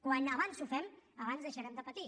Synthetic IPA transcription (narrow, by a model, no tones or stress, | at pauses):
kwanəβansufɛməβanzðəʃəɾɛmd̪əpət̪i